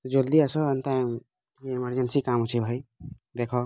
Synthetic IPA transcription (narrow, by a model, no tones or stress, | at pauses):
d͡ʒold̪iasɔənt̪ajm | keiməɾd͡ʒensikamɦut͡ʃʰibʱaj | d̪ekʰɔ